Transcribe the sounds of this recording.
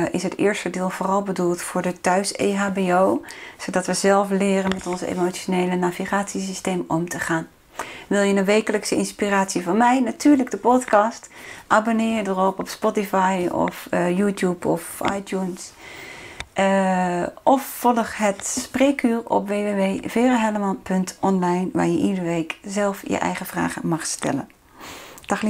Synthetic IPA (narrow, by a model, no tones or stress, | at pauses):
ʔɪsɦətɪ̰ːɹstədɪːlˠvʊːrɑlˠbədulˠtfʊːɹdətœɥsḛɦaːbeowz̥odɑtʋəzɛlˠflɪːrənmɛtɔnzḛmoonejlənaviχaːtsis̬istejmɔmtəχaːn | ʋɪlˠjənəʋejkələksəɪnspiraːtsivɑnmɛjnatyːɹləɡ̚dəpɔtkɑstʔaːbonɪːjədərɔpɔpspɔtifɑjɔ̰fjuːtjupʰɔfʔa̰jtjuns | ʔɔfːɔlˠəχɦətspreːkʰyːrɔ̰pʋeːʋeʋeːv̥eːrəɦɛləmanpʰɵntʰʔɔnlajnʋa̰ːɹjəʔidərʋeːkzɛlˠfjə̰ʔɛ̰jχəvra̰ːχəmɑχstɛ̰lə̰n | d̥axl